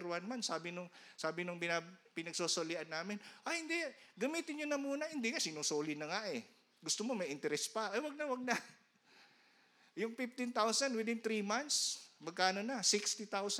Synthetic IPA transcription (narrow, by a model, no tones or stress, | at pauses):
ɾwanmansaːbɪnʊŋsaːbɪnʊŋpɪnapɪnɐɡ̚soːsolɪʔɐnːaːmɪnʔɐjhɪnd̪ɛɡɐmiːt̪ɪnɲʊnɐmuːnɐhɪnd̪ɪŋasɪnusoːlɪnɐŋaʔɛ | ɡʊst̪omomɐjʔɪnt̪ɛɾɛspɐʔɐjwɐɡ̚nɐwɐɡ̚nɐ | jʊŋfɪft̪ɪnt̪awsɐnwɪd̪ɪnt̪ɾimant̪smɐɡ̚kaʔɐnonɐsɪkst̪it̪aws